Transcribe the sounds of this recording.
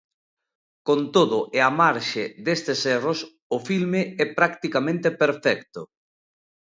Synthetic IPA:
kont̪oðʊʔɪamaɾʃɪðest̪ɪsɛros | ʊfilmɪɛpɾakt̪ikamẽnt̪epeɾfɛkt̪ʊ

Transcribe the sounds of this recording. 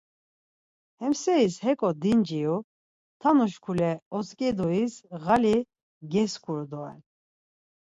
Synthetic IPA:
hɛmsɛishɛkʼɔd̪ind͡ʒiu | t̪ʰanuʃkʰulɛɔskʼɛd̪ɔisɣali | ɡɛskʰuɾd̪ɔɛ̰n

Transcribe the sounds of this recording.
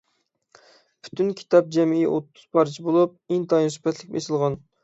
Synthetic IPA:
pʰy̥t̪ʰynkʲʰi̥t̪ɑp̚d͡ʒɛmiiʔot̪ːuz̥pʰɑɾt͡ʃʰibolˠup̚iŋt̪ʰɑjnspʰɛt̪lɪkʲmḛsɨlˠʁɑn

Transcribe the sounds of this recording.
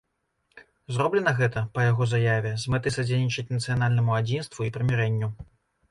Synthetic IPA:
zɾɔblʲɛnɐɣɛt̪ɐpɐjaɣɔzajavʲɛzmɨt̪ɨsɐd͡zʲelʲnʲit͡ʂɐt͡sʲnɐt̪sɨjanalʲnɐmuad͡zʲinst̪vuipɾɨmʲɛɾɛnʲːu

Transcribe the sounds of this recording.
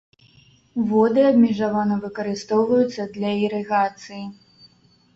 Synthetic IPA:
vɔd̪ɨɐbmʲɛʐavanɐvɨkɐɾɨst̪ɔwvɐjut̪sːɐd̪lʲɐiɾɛɣat̪sɨji

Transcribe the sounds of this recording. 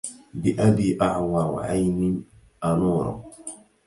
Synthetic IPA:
bɪʔabiːʔaʕwɑɾˤʕajnɪ | ʔanuːɾɔ̰

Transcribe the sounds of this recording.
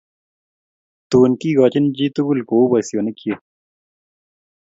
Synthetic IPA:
t̪uːnkiːɡɔːt͡ɕind͡ʑiːt̪uɡulkoːbɐsjonekje

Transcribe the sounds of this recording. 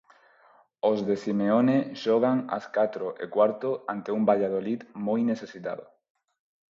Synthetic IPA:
ozðesimeoneʃɔɣ̞aŋa̰skat̪ɾoʔḛkwaɾt̪oant̪eumbaʎað̞oliðmojneθesit̪a̰ðo̰

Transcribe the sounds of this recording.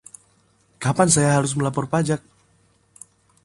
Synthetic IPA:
kapansajaɦaɾʊs̬məlapɔrpad͡ʒak̚

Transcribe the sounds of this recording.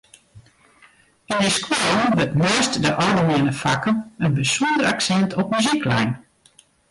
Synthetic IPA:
inəskwoənʋətmɪəstdəʔɔrdəmɪənəfakənənbəsundəraksɛntʰɔpmyziklɛ̰jn

